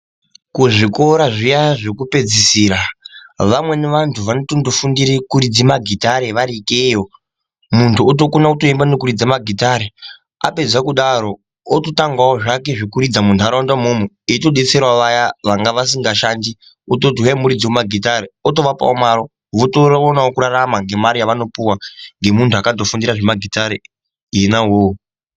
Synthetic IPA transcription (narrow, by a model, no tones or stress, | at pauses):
kuʐiko̞ɾaʐijaʐekupe̞d͡zisiːɾaʋamwe̞neʋantʰuʋanotondofundiɾikuɾid͡zimaɡʱitaɾeʋaɾikejo | muntʰuot̬o̞konautoimbanokuɾid͡zamaɡʱitaɾe | a̰pe̞d͡zakuɗaɾo̞ː | totaŋɡawoʐak̬e̞ʐekuɾid͡zamuntuaɾaondwamomu | ito̞ɗet͡se̞rwaʋajaʋaŋɡaʋas̬iŋɡaʃandi | otot̬ujaimuɾid͡ziwemaɡʱitaɾeoto̞ʋapa̰omaɾo | ʋotoonawokuɾaramaŋɡe̞maɾijaʋano̞puwaŋɡe̞muntʰuakadofundiɾaʐemaɡʱitaɾe | inawo